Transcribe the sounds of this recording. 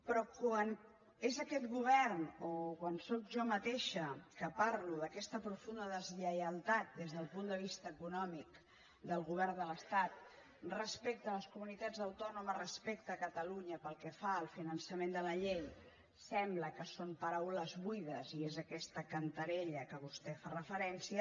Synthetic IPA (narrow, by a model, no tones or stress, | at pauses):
pɾɔkwan | ezəkɛt̪ɣuβɛɾnokwansokʒɔmət̪eʃəkəparluðəkɛst̪əpɾufund̪əðəzʎəjəlˠt̪at̪̚d̪ezðəlˠpund̪əβ̞ist̪əːkunɔmik | d̪əlˠɣuβɛrnd̪ələst̪at̪̚ | rəspek̚t̪əːləskumunit̪ad͡zəwt̪ɔnuməzrəspekt̪əːkət̪əluɲəpəlˠkɛfaəlˠfinənsəmẽnd̪ələʎej | sɛmbləkəsompəɾawləzβujðəziezəkɛst̪əkənt̪əɾeʎəkəβust̪ɛfarəfəɾɛnsiə